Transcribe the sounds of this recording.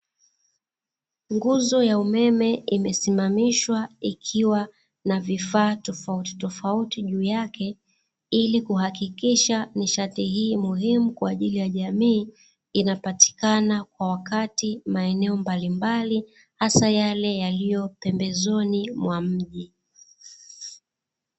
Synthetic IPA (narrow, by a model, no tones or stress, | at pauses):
ŋɡuzɔjaumɛmɛimɛsimamiʃwaikʰiwa | navifaːtɔfauti̥tɔfautiʄuːjakʰɛ | ilikuhakikiʃaniʃatihiːmuhimukwaːʄilijaʄamiː | inapati̥kanakwawakatimaɛnɛɔmbalimbali | hasajalɛjalijɔpɛmbɛzɔnimwam̩ʄi